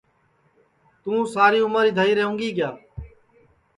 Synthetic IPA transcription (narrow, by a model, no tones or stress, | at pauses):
t̪ũːsaːɾiːʊməɾiːd̪ʱəːiːɾeːõːŋɡiːɡɪjaː